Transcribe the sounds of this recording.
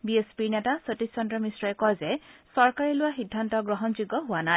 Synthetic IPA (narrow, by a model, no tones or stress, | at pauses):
biespiɹnɛtasotissɔndɹɔmisɹɔɛkɔjzɛsɔɹkaɹɛlʊwaxidʱːantɔɡɹɔɦɔnzuɡɔɦʊanaj